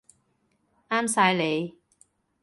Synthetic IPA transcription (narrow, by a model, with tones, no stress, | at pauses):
aː˥msaː˧jle˨˧j